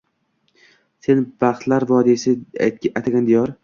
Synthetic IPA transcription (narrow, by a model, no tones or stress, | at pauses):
se̞nb̥aχt̪laɾvɒd̪isɪat̪ʲajt̪ʰaɡʲand̪ejɒɾ